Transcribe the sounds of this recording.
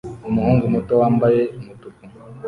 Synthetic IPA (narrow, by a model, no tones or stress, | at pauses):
umuhuːŋɡumutowaːmbajemutuku